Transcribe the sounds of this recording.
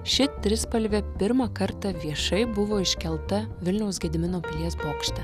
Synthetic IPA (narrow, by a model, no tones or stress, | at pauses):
ʃʲɪt̪ʲɾʲɪspɐlʲʋʲɛpʲɪɾmɐkɐɾt̪ɐʋʲiɛʃɐɪbʊʋoːɪʃʲkʲɛlˠt̪ɐʋʲɪlʲnʲɛʊsɡʲɛd̪ʲɪmʲɪnoːpʲɪlʲiɛsboːkʃʲt̪ʲɐ